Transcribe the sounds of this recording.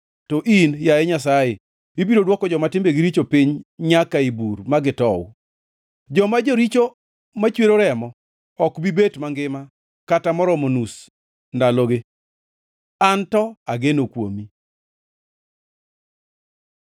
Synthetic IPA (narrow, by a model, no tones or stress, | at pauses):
toʔinjaeɲas̬aje | ibiɾodwɔkɔd͡ʒɔmatɪmbeɡiɾit͡ʃopiɲɲakaiburmaɡɪtɔw̰ | d͡ʒɔmad͡ʒoɾit͡ʃo | mat͡ʃweɾoɾɛmɔ | ɔkbibetmaŋɡɪma | katamɔɾɔmonus | ndaloɡe | antɔaɡenokwo̰mi